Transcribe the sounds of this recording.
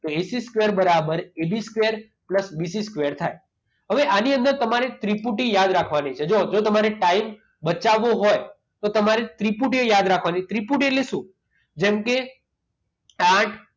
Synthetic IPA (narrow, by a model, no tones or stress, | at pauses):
t̪oesiskʋeəɾbəɾabəɾebiskʋeəɾ | pləsbisiskʋeɾt̪ʰaj | ɦəʋeʔaniə̃nd̪əɾt̪əmaɾet̪ɾipuʈijad̪ɾakʰʋanit͡ʃʰed͡ʒod͡ʒot̪əmaɾeʈaim | bət͡ʃaʋoɦoj | t̪ot̪əmaɾet̪ɾipuʈ̬iejad̪ɾakʰʋanit̪ɾipuʈelesũ | d͡ʒɛmke | ãʈʰ